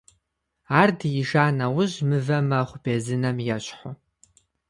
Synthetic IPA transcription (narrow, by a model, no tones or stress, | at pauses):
aːrdjiʒaːnɐwʊʑmɨvɐmɐχʷʊbeːzɨnɐmjɛɕħʊ